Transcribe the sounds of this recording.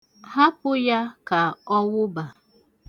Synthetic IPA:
ha˦pʊ˦ja˦ka˨ɔ˦wʊ˦ba˨

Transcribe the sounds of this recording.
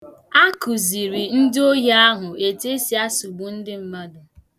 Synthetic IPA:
a˦ku˨zi˨ɾi˨n̩˦dɪ˦o˦ɦa˦a˦ɦʊ˨e˨te˦si˨a˦su˨bu˨n̩˦dɪ˦m̩˦ma˦dʊ˨

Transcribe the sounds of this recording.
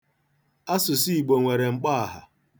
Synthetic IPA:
a˦sʊ˨si˦i˨ɡ͡bo˨ŋʷe˨ɾe˨ŋ͡m̩˨k͡pa˦a˨ɦa̰˨

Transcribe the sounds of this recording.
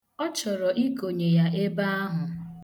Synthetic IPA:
ɔ˦t͡ʃɔ˨ɾɔ˨ʔi˦ko˨ɲe˨ja˦e˦ba˦a˦ɦʊ˨

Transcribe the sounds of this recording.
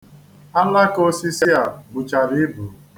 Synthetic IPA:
a˦la˦ko˦si˦si˦a˨bʊ˨t͡ʃa˨ɾi˦bu˨

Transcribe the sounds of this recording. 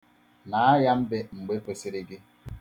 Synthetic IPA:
na˨˦a˦ja˦m̩˦be˦ŋ͡m̩˨ɡ͡be˦pe˨se˦ɾe˦ɡe˦

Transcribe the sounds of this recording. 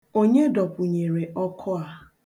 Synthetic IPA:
o˦ɲe˦dɔ˨pʊ˨ɲe˨ɾe˨ʔɔ˦kʰɔ˦a˨

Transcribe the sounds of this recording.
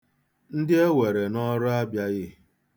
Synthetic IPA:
n̩˦dɪ˦e˦we˨ɾe˨nɔ˦ɾʊ˦a˦bja˦ɣɪ˦

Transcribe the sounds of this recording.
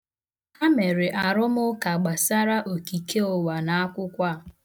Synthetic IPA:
a˦me˨ɾɪ˨ʔa˨ɾʊ˦mʊ˦ka˨ɡ͡ba˨sa˦ɾa˦ʔo˨ki˨ke˦o˨wa˨na˨a˦kʷʊ˦kʷa˦˨

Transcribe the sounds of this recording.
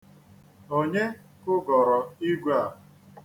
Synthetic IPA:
o˦ɲe˦ | kʊ˦ɡɔ˨ɾɔ˨i˦ɡʷa˦˨

